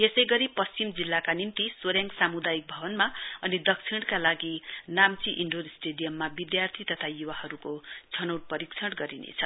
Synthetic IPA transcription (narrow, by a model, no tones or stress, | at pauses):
jesʌjɡʌɾipʌst͡simd͡zilːakanimt̪iswoɾjaŋksamud̪ajik̚bʱʌbʌnmaʌnid̪ʌk̚t͡sʰiɽkalaɡinamt͡siʔiɳɖoɾsʈeɽijʌmːabid̪jart̪ʰit̪ʌt̪ʰajuwahʌɾukot͡sʰʌnʌwʈ̚pʌɾikt͡sʰʌɽɡʌɾinḛt͡sʰʌ